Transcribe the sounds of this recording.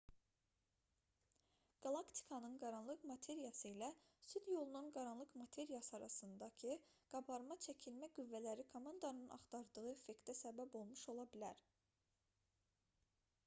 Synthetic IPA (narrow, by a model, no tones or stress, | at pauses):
ɡ̥ɑlˠɑkt̪ʰi̥kʰɑnɯnɡɑɾɑnlˠɯkmɑt̪ʰe̞ɾijɑsɯilæsyd̪jo̞lˠununɡɑɾɑnlˠɯkmɑt̪ʰe̞ɾijɑsɯɑɾɑsɯnd̪ɑcʰiɡ̥ɑbɑɾmɑt͡ʃʰæcʰilmæɡuvːælæɾikʰomɑnd̪ɑnɯnʔɑ̰χt̪ʰɑɾd̪ɯɣɯefe̞kt̪æsæbæbo̞lˠmuʃo̞lˠɑbilæɾ